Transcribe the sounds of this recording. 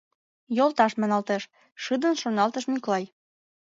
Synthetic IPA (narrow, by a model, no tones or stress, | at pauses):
jolˠt̪ɑʃmɑnɑlt̪eʃ | ʃɯd̪ə̆nʃonɑlt̪əʃmyklɑj